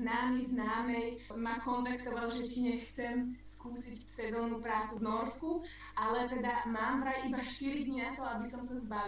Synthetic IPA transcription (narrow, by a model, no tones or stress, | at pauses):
znaːmiznaːmɛjmakɔnt̪akt̪ɔʋalʒɛciɲɛxt͡sɛmskuːsicsɛzɔːnupɾaːt͡suvnɔɾsku | ʔalɛt̪ɛd̪amaːmvɾajibaʃt̪iɾid̪ɲinat̪ɔabisɔmsazba